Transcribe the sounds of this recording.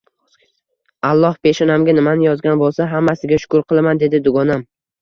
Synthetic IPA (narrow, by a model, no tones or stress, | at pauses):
alˠːɒhpe̞ʃɒnamɡʲanɪmanɪjɒzɡʲanbolˠsaɦamːasɪɡʲaʃʊ̥kʊɾqʰɨlˠamand̪e̞d̪ɪd̪ʊɡɒnam